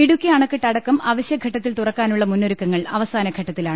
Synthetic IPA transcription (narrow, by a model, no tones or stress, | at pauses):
iɽukʲːiɐːɳɐkːiʈːɐɽɐkːɐmɐʋɐɕjɐɡʱɐʈːɐt̪ːilt̪urɐkːaːnuɭːɐmunːoɾukːɐŋːɐɭɐʋɐsaːnɐɡʱɐʈːɐt̪ːilaːɳɨ